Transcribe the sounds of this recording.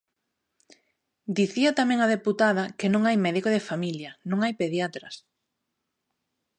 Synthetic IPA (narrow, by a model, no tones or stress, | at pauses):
d̪iθiat̪amɛ̃ŋɐðeput̪aðɐkenõŋajmɛðikoðefamiljɐnõŋajpeðjat̪ɾɐs